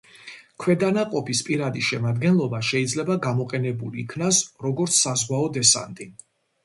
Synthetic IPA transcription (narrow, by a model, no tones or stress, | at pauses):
kʰwɛd̪anaqʼɔpʰispʼiɾad̪iʃɛmad̪ɡɛnlˠɔbaʃɛid̪zlɛbaɡamɔqʼɛnɛbuliːkʰnasɾɔɡɔɾt̪sʰːazʁwaɔd̪ɛsa̰nt̪ʼi